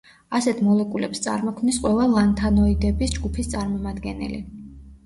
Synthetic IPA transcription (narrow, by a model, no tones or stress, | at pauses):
asɛt̪ʰmɔlɛkʼulɛpst̪sʼa̰ɾmɔkʰmnisqʼwɛvalant̪ʰanɔid̪ɛbisd͡ʒɡupʰist̪sʼaɾmɔmad̪ɡɛnɛ̰lḭ